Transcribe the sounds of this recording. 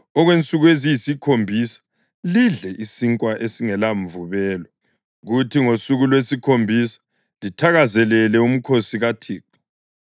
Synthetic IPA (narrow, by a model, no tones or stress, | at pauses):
ɔɣwent͡sʼuɣuezijisikʰombʱisḁ | liɮɛʔisiŋkʼwaʔesiŋɛlaɱvuβɛːlɔ | ɣutʰiŋosuɣulwesikʰombʱisḁ | litʰaɣazɛlɛlɛum̩kʰosiɣatʰiːk̚ʰḁ